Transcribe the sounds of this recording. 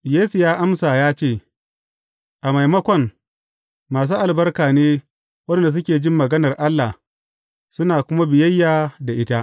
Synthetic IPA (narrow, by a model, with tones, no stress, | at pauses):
jeː˦su˨jaː˦ʔa˦msaː˨jaː˦t͡ʃeː˦˨ | ʔa˨ma˨jmɐ˦kʷɔ˨ŋ | maː˨s̬uː˦ʔa˨lbɐ˦rkaː˨neː˦ | wɐ˦da˨s̬ʊ˦kʲeː˨d͡ʒɪ˦mːɐ˨ɡɐ˦nɐ˨rʔa˦lːa˨ | sʊ˦naː˨kʷʊ˦ma˦bɪ˨jɐ˦jːaː˨da˨ʔɪ˦ta˦ʔ